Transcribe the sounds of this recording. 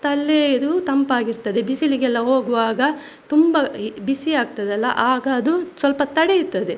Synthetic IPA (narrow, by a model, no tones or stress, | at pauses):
t̪ɐlːed̪ut̪ɐmpaːɡiɾt̪ɐd̪ebisiliɡɛlːɐɦo̞ːɡuʋaːɡɐ | t̪umbɐbisiaːɡ̚t̪ɐd̪ɛlːɐ̰ʔaːɡɐːd̪usʋɐlpɐt̪ɐɽeiɾt̪ɐd̪e